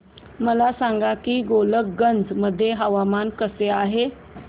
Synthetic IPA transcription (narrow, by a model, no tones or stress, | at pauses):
məlasaŋɡakiːɡolək̚ɡənd͡zməd̪ʱːjeɦəʋamankəseaɦe